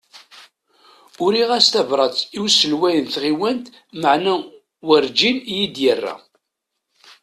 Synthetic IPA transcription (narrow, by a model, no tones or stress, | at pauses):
ʊɾiʁæst̪ævɾˤɑt͡sːiwsəlwæjənθʁiwænt̪ | məʕnæ | wəɾd͡ʒinjid̪jərːæ̰